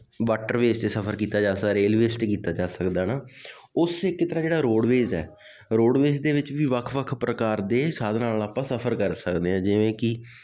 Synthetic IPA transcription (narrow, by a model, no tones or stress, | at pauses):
ʋaːʈəɾʋeːst̪eːsəpʰəɾkiːt̪aːd͡ʒaːsaːɾeːlʋeːsʈːkiːt̪aːd͡ʒaːsəkd̪aːnaː | ʊsɪkːt̪əɾãːd͡ʒeːɽaːɾoːɖʋeːzɛ̰ː | ɾoːɽʋeːzd̪eːʋɪt͡ʃʋiːʋəkʰʋəkʰpɾəkaːɾd̪eːsaːd̪naːlaːpãːsəpʰəɾkəɾsəkd̪eːɦɛ̃ːd͡ʒɪʋẽːkɪ